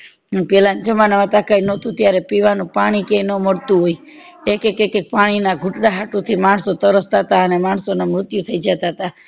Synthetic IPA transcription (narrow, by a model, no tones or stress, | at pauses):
ənpɛland͡ʒəmanaʋãt̪akainot̪ũt̪jaɾepiʋanũpaɽ̃ikẽinəməɽt̪ũɦoi | ekekekek̚paɽ̃inaɡʱuʈɽaɦaʈut̪ʰimaɳsot̪əɾəst̪aɦt̪aənemaɳsonamɾʊt̪jut̪ʰəid͡ʒat̪aɦət̪a